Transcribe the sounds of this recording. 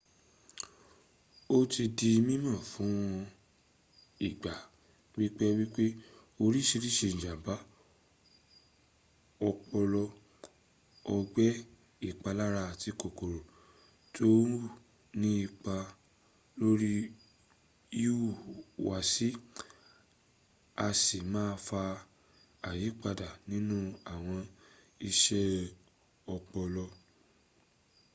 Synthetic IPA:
o˦ti˧di˧mĩ˦mã˦˨fũ˨˦w̃ɔ̃˧ | i˨ɡ͡ba˨ | wi˦k͡pɛ˦wi˦k͡pe˦ | o˧ɾi˦ʃi˧ɾi˦ʃẽ˧˨d͡ʒa˨ba˨˦ | ɔ˧k͡pɔ˧lɔ˧ | ɔ˧ɡ͡bɛ˦ | i˦˨k͡pa˧la˦ɾa˧˨ti˨˧˦ko˨ko˨ɾo˨ | to˦˨ | nĩ˦i˦˧k͡pa˧ | lo˦ɾi˦ | ju˦˨wa˨si˦ | a˧si˨mãː˦˧fa˧ | a˨ji˨˦k͡pa˧da˨nĩ˦nũ˦a˦˨w̃ɔ̃˧ | i˧ʃɛ˦ | ɔ˧k͡pɔ˧lɔ˧

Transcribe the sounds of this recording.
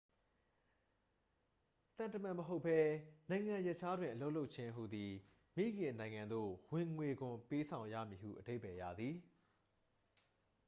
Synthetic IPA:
t̪ã˨ntə˨mã˨məɦo˦ʊpʰːɛ˦nã˨ɪ̃ŋã˨jɛ˦ʔt͡ɕʰa˦dwɪ̃˨ʔə˨lo˦ʔlo˦ʔt͡ɕʰɪ̃˦ʔɦṵ˨d̪ði˨ | mḭ˦˨ɡɪ̃˨nã˨ɪ̃ŋã˨nd̪o̰˦˨wɪ̃˨ŋwe˨ɡʊ̃˨mpe˦sʰã˨ʊ̃ja̰˦˨mji˨hṵ˦˨ʔəde˦pɛ˨jä̰˦˨d̪ði˨

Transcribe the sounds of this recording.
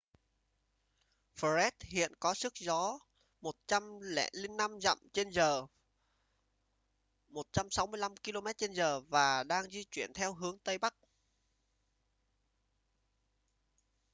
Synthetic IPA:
fə˧˩zɛ˦˥t̚hḭ˧˨ənkɔ˨˦sɨ˦˥k̚zɔ˨˦ | mo˨˩t̚t͡ɕa˧mlɛ̰˧˥li˧nːa˧mza̰˧˨mʔt͡ɕe˧nzəː˨˩ | mo˨˩t̚t͡ɕa˧msa˨˦wmɨ˧əjla˧mki˧lo˧mɛ˦˥t̚t͡ɕe˧nzəː˨˩vaː˨˩ɗaː˧ŋzi˧t͡ɕwi˧˩ənt̪ʰɛ˧wɦɨ˨˦əŋt̪ə˧jɓa˦˥k̚

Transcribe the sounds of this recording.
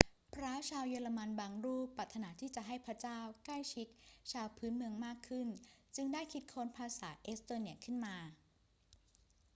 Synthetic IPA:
pʰɾaː˦˥wt͡ɕʰaː˧wjɤː˧la˧ma˧nbaː˧ŋɾuː˥˩pːaː˨˩t̪ʰːa˧naː˩˦t̪ʰiː˥˩t͡ɕa˨˩ɦa˥˩jpʰɾa˦˥t͡ɕaː˥˩wkla˥˩jt͡ɕʰi˦˥t̪̚t͡ɕʰaː˧wpʰɯː˦˥nmɯ˧əŋmaː˥˩kʰːɯ˥˩nt͡ɕɯ˧ŋdaː˥˩jkʰi˦˥t̪̚kʰoː˦˥npʰaː˧sa̰ː˩˦ʔeː˦˥st̪oː˧ni˨˩əkʰɯ˥˩nmaː˧

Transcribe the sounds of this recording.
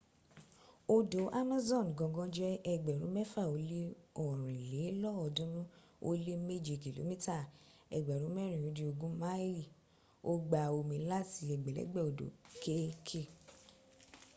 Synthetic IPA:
o˧do˨˦ʔa˦ma˦zɔ̃˦˨n˨ɡɔ̃˧˨ɡɔ̃˦d͡ʒɛ˦ɛ˧ɡ͡bɛ˨ɾũ˨˦mɛ˦fa˦˨o˨˦le˦ɔ˨ɾ̃ĩ˨le˨˦lɔ˦ɔ˧˨dũ˦nũ˦ | o˧le˦me˦d͡ʒi˨ki˨lo̰˨˦mĩ˦ta˦˨ | ɛ̰˨ɡ͡bɛ˨ɾũ˨˦mɛ˦ɾ̃ĩ˨jũ˨˦di˧o˧ɡũ˦ma˦i˦˨ | o˦ɡ͡ba˨o˧mĩ˧˦la˦ti˧ɛ˨ɡ͡bɛ˨lɛ̰˨˦ɡ͡bɛ˦˨o˨do̰˨ke˦kʰe˦˨

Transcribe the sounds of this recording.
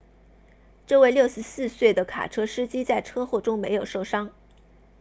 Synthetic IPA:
ʈ͡ʂɤ˥˧we˥˧ɪljo˥˩ʊʂɻ̩˧˥sɹ̩˥˧swe˥˩ɪd̪ə˩kʰa̰˨˩ʈ͡ʂʰɤ˥ʂɻ̩˥t͡ɕi˥t͡sa˥˩ɪʈ͡ʂʰɤ˥xwɔ˥˩ʈ͡ʂʊ˥ŋme˧˥ɪjo˨˩ʊʂo˥˩ʊʂɑ˥ŋ

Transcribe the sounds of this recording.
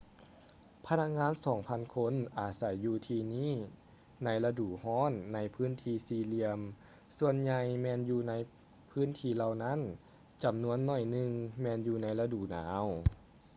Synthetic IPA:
pʰa˧˥na˧k̚ŋaː˧˥˨nsɔː˩˦ŋpʰa˧˨nkʰo˧˥˨nʔaː˨˩sa˨˩˦jːuː˧˩t̪ʰiː˧niː˥˨ | na˧˥jla˧duː˨˩hɔː˧˥˨nːa˧˥jpʰɯː˧˥˨nt̪ʰiː˧siː˧li˧əm | su˧ənɲa˧jmɛː˧˨njuː˧na˧˥j | pʰɯː˦˥˨nt̪ʰiː˧la˧wna˦˥˨n | t͡ɕa˨˩mnu˧˥ənːɔ˧˩jnɯ˧ŋmɛː˧njuː˧na˧˥jla˧duː˨˩naː˨˦w

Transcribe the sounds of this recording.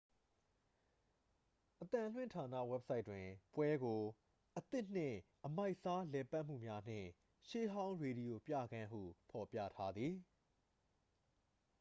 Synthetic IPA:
ʔət̪ã˨l̥wɪ̰̃˦˨ntʰa˨na̰˦˨wɛ˦p̚sa˦ɪtːwɪ̃˨pwɛ˦ɡo˨ | ʔət̪ɪ˦ʔn̥ɪ̰̃˦˨ʔəma˦ɪʔsa˦lɛ˨pa˦ʔm̥ṵ˦˨mja˦n̥ɪ̰̃˦˨ | ʃe˦ɦã˦ʊ̃ɹe˨ɾi˨jo˨pjä̰˦˨ɡã˦ɦṵ˦˨pʰɔ˨pjä̰˦˨tʰa˦d̪ði˨

